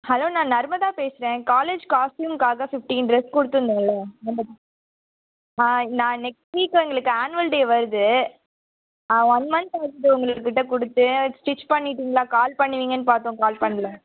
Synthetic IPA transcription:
hɐloːnãːnɐɾmɐðaːpeːsɪɾẽːkaːleːd͡ʒkaːsʈjuːmkaːɣɐfɪfʈiːnɾɛskʊɽɯt̪ːɯnd̪iːŋɡɐɭɐnɐmbɐðã | ãːnãːnɛksʈʋiːkːɯɛŋɡɐɭɯkːɯaːnʋɐlɖeːʋɐɾɯðɯ | aːʋɐnmɐnsɐɾt̪ɯt̪ːɯʊŋɡɐɭɯkːɯːɪʈːɐkʊɽɯt̪ːɯsʈɪt͡ʃːpɐɳːɪʈːiːŋɡɐlaːkaːlpɐɳːɯʋiːŋɡɐnːɯpaːɾt̪õːkaːlpɐɳːɐlɐ

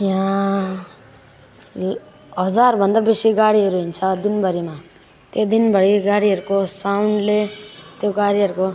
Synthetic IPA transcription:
jã | ɦʌd͡zarbʱʌnd̪abesiɡaɽiʌɾuɦint͡sʰʌd̪inbʌɾima | t̪jod̪inbʌɽiɡaɽiɦʌɾukosawnɖlet̪joɡaɽiɦʌɾuko

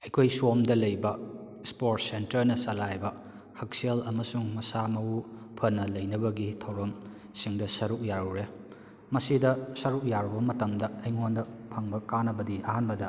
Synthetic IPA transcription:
ɐjkʰojswomdɐlɐjbɐ | spoɾt̚sentɐɾnɐsɐlajbɐ | hɐk̚sielɐmɐsuŋmɐsamɐupʰɐnːɐlɐjnɐbɐɡitʰɐwɾɐm | siŋdɐsɐɾuk̚jaɾuɾe | mɐsidɐsɐɾuk̚jaɾubɐmɐtɐmdɐɐjŋondɐpʰɐŋbɐkanɐbɐdiɐhanbɐdɐ

